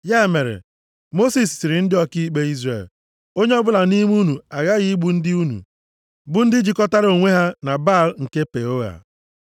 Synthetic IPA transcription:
ja˦˨me˨ɾḛ˨ | mo˦si˨sːɪ˨ɾɪ˨n̩˦dɪ˦ɔ˦ki˦i˦k͡pe˦i˦zɾḛ˨l | o˦ɲe˦ɔ˦bʊ˦la˨ni˦m˦u˦nu˨a˨ɣa˦ɣɪ˦ɡ͡bu˨n̩˦dɪ˦u˦nṵ˨ | bʊ˦n̩˦dɪ˦d͡ʒi˨kɔ˦ta˦ɾo˨ŋʷe˦ɦa˦na˨ba˦˨lŋ̩˨ke˦pe˨o˦ɣa̰˨

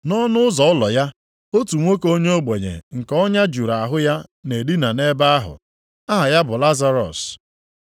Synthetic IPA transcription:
nɔ˦nʊ˦ʊ˦zɔ˨ʊ˦lɔ˨ja˦ | o˦tu˨ŋʷo˦ko˦ɲe˦o˦ɡ͡be˨ɲḛ˨ŋ̩˨kɔ˦ɲa˦d͡ʒu˨ɾa˨a˨ɦʊ˦ja˦ne˨di˦na˨ne˦ba˦a˦ɦʊ̰˨ | a˦ɦa˨ja˦bʊ˨la˦za˦ɾɔ̰˨s

